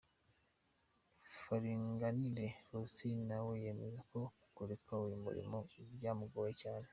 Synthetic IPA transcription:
faɾiŋɡanileɾusinawejemezako̞ | kuɾekʰawimṵɾḭmoiβɟaːmuɡowecaːne

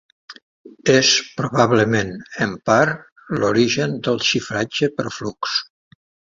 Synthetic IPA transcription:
espɾuβaβləmenəmpaɾ | loɾiʒənd̪əlˠʃifɾad͡ʒəpə̰ɾfluks

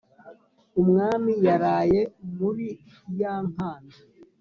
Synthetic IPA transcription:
umŋaːmijaɾaːjemuɾi | jaːŋ̥aːnda

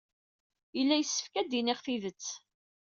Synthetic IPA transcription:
ilːæjəsːə̥fkæd̪inɪχθiðət͡sː

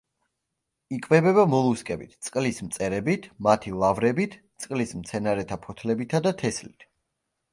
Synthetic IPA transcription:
ikʼvɛbɛβamɔlˠuskʼɛbit̪ʰt̪sʼqʼlismt̪sʼɛɾɛbit̪ʰmat̪ʰilˠavɾɛbit̪ʰt̪sʼqʼlismt̪sʰɛnaɾɛt̪ʰapʰɔt̪ʰlɛbit̪ʰad̪at̪ʰɛslit̪ʰ

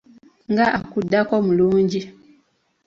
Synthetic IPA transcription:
ŋɡaʔakudːakomuluːɲɟi

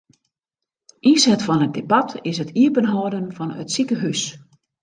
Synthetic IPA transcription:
ʔisɛtfɔnət̚debatʰɪsətʰiəpənɦɔdənfɔnœ̰tsikəɦys

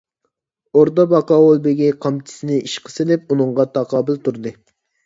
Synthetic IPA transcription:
oɾt̪ɑbɑqɑolˠbeɡʲiqʰɑmt͡ʃʰɪ̥sɪnɪʔiʃqʰə̥sɪlɪp̚unɨɴʁɑt̪ʰɑqɑːbɪlt̪uɾd̪ɨ

